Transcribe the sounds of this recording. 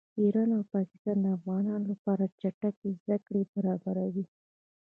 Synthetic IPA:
iɾɑnawpɑkɪ̥st̪ɑnd̪əafɣɑnɑnolapɑɾat͡ʃaʈakezd̪akɽebaɾɑbaɾawi

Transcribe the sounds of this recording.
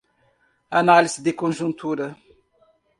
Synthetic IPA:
analizid̪ɪkõʒũnt̪uɾɐ

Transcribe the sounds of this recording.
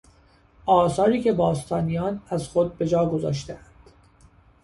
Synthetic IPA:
ʔɒːsɒːɾiːcʰe̞bɒːst̪ʰɒːnijɒːnæzxod̪̚be̞d͡ʒɒːɡo̞zɒ̰ːʃ̬t̪eænd̪̥

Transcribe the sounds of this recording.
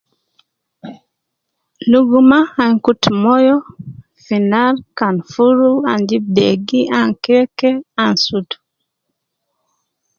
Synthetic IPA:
luɡumaaŋkutmɔjɔ | finalkanfuɾuaɲd͡ʒibɛɡiaŋkɛkɛansutu̥

